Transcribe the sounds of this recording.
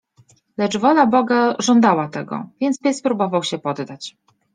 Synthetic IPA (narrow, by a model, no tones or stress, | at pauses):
lɛt͡ʂvɔlabɔɡaʐɔnd̪awat̪ɛɡɔ̰vʲjɛntspʲjɛspɾubɔvawɕɛpɔd̪d̪at͡ɕ